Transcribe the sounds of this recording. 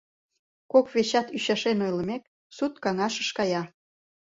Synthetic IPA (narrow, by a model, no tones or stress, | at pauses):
kokβeɕɑt̪yɕɑʃenojlə̆mek̚ | sut̪kɑŋɑʃəʃkɑjɑ